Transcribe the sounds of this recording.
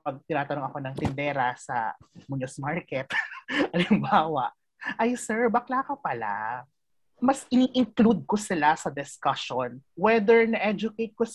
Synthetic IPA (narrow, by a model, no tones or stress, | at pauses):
pɐɡ̚t̪ɪnaːt̪ɐnoŋɐko̞nɐŋt̪ɪnd̪ɛːɾɐsɐ̰muɲosmaɹkɛt̪ʔɐlɪmbaːwɐʔ | ʔɐjsɛɹbɐklaːkɐpɐla̰ | mɐsʔɪniːʔɪŋklud̪̚kosɪlasɐd̪ɪskaʃonwɛd̪ɛɹnɐʔɛd͡ʒʊkejt̪̚ko